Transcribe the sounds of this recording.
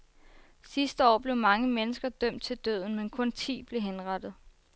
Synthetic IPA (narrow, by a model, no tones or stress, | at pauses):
sisd̥əɒ̰ːb̥le̝ʊmɑ̈ŋəmenəsɡ̥ɐd̥œm̰d̥̚t͡sʰe̝ld̥ø̰ð̰ˠn̩menkʰɔ̽nt͡sʰḭːb̥le̝ɦenʁɑd̥ð̞̩ˠ